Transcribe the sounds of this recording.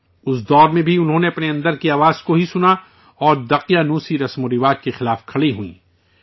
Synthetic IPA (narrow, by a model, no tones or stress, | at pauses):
ʊsd̪ɔːɾmẽbʱiʊnɦõːneɐpneɐ̃nd̪əɾkiaːʋaːzkoɦisʊna | ɔːɾd̪ɐqijanũːsiɾɐsmoɾɪʋaːd͡ʒkexɪlaːfkʰɐɽiɦuḭ̃ː